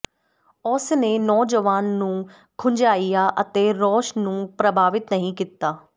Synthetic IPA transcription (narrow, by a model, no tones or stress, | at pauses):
ɔːsneːnɔːd͡ʒəʋaːnːũː | kʰʊ̃ɲd͡ʒaːijaːʔət̪eɾɔːʃnũːpɾəbʱaːʋɪt̪nɐɦĩkit̪ːaː